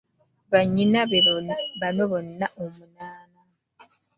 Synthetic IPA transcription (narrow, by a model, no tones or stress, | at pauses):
βaɲːinaβeoβanoβonːaʔomunaːna